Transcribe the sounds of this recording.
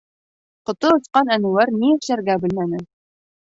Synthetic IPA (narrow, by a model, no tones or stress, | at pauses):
qŏt̪ɤŏsqɑnænŭwæɾniɘ̆ɕæɾɡæbɘ̆lmænɘ